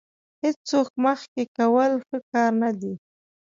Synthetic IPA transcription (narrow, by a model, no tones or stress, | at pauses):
hɪt͡st͡sok̚məxkekawəlxəkɑɾnad̪i